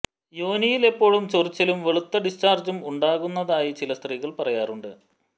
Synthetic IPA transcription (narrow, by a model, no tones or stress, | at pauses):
joːnijile̞pːo̞ːɻumt͡ɕorit͡ɕːɐlumʋe̞ɭut̪ːɐɖist͡ɕaːrd͡ʑɐmuɳɖaːɣunːɐðaːjit͡ɕilɐst̪riːɣɐɭpɐrɐjaːruɳɖɨ